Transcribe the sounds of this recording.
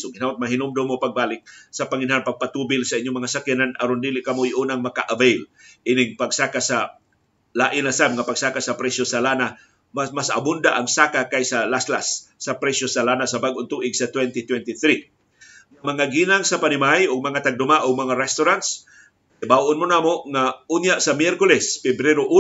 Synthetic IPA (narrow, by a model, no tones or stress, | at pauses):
ʊɡɪnat̪̚maɦɪnʊmd̪omopaɡ̚baːlɪk̚sɐpaŋɪnaɦanpɐɡ̚pat̪uːbɪlsɐʔɪɲːoŋmɐŋasakjananɐ̰ɾond̪iːlɪʔkɐmojʔuːnaŋmɐkaʔavejlʔinɪŋpaɡsakasa | laːʔɪnasamŋapaɡsaːkasɐpɾɛsosalana | mamasɐ̰bʊnd̪aʔaŋsaːkakajsalasla̰sːapɾɛsosalanasabaɡʔʊnt̪uːʔɪɡsat̪wɛnt̪it̪wɛnt̪iθɾi | ŋamɐŋaɡiːnaŋsapanɪmajʊɡ̚mɐŋat̪aɡ̚d̪ʊmaʔʊɡ̚mɐŋaɾɛst̪ʊɾant̪s | ɪbawonmʊnaːmoʔŋaunjaʔsamjɛɾkʊlɛspɛbɾɛɾoʔu